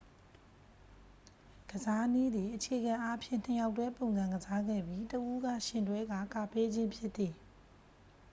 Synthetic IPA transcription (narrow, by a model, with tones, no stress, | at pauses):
ɡ̥əza˦ni˦d̪ði˨ʔət͡ɕʰe˨ɡã˨ʔa˦pʰjɪ̰̃˦˨n̥ẽ˨ja˨ʊtːwɛ˦põ˨ʊ̃nzã˨ŋɡəza˦ɡɛ̰˦˨bji˦təʔu˦ɡä̰˦˨ʃɪ̃˨ndwɛ˦ɡa̰˦˨ka˨pe˦d͡ʑɪ̃˦mpʰjɪ˦t̪t̪θi˨